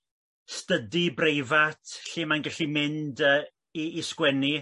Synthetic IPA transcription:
stədibrejvatʰɬiːmanɡɛɬimɪndə | iːskwɛni

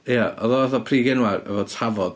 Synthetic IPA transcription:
jaɔðɔaθɔpʰriːɡɪnwarə̰vɔtʰavɔd̥

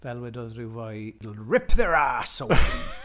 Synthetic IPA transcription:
vɛlˠwɛdɔðrɪwvɔjlɹɪpʰðɛɹaːsɔw

